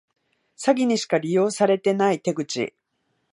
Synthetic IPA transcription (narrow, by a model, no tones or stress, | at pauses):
saɡʲiɲ̟iɕi̥kaɾʲijo̞ːsaɾe̞t̪e̞nait̪e̞ɡɯ̟t͡ɕḭ